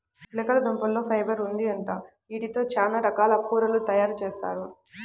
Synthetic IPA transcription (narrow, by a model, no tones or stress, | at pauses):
lɐkɐlɐd̪umpɐlːo̞ːpʰɐjbɐɾund̪iɐɳʈaː | iːʈit̪o̞ːt͡ʃaːnaːɾɐkaːlɐpʰuːɾɐlut̪ɐjaːɾut͡ʃeːst̪a̰ːɾu